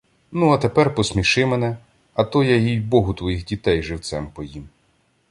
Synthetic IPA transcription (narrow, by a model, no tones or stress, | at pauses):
nuɐt̪epɛrpɔsmʲiʃɪmenɛ | ɐt̪ɔjajijbɔɦʊt̪ʋɔjixdʲit̪ɛjʒɪwt̪sɛmpɔjim